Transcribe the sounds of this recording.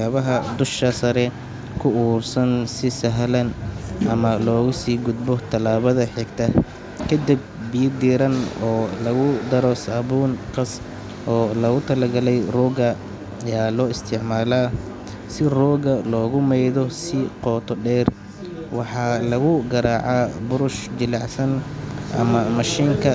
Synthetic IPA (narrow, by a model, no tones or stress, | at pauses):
aːβɐɦɐd̪ʊʃɐsɐɾɛ | kʰʊuːrsɐnsɪsɐɦlɐnʔɐmɐlɔːɣʊsiːɡʊd̪̚bɔt̪ʰɐlaːβɐðɐħɛɡt̪ʰɐ | kʰɐd̪ib̚bijd̪iːɾɐnɔːlɐɣʊd̪ɐɾɔsɐβuːnqɑs | ʔɔːlɐɣʊt̪ʰɐlɐɡɐlɛjrɔːɣɐ | jaːlɔːɪst̪ʰɪʕmaːlaː | sɪrɔːɣɐlɔːɣʊmɛjðɔsɪqɔːt̪ʰɔɖɛːr | wɑħɑlɐɣʊɡɐɾaːʕabʊɾʊʃd͡ʒɪlɑʕsɐnʔɐ̰mɐmɐʃiːŋkʰɐ